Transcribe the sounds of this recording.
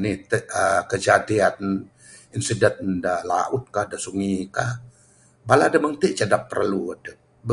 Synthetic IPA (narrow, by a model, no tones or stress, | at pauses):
nit̪əəkəd͡ʒadiann | insidɛt̪̚dala̰ʔʊt̪̚kahdasuŋikah | baladaməŋt̪iʔt͡ʃadapːərluadə | b